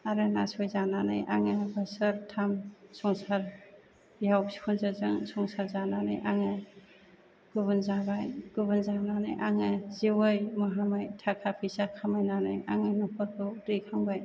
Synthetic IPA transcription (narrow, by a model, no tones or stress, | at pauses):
aɾɯnasɔjzananɯ̰jʔa̰ŋɯbɯsaɾtʰamsɔŋsaɾ | jawkʰɔnzazɯŋsɔŋsaɾzananɯ̰jʔaŋɯ | ɡ̥uβɯnzabajɡ̥uβɯnzananɯjʔaŋɯzewɯjmɔɦamajtʰakʰapʰisakʰamajnanɯjaŋɯnɔpʰɔɾkʰɯwdekʰaŋbaj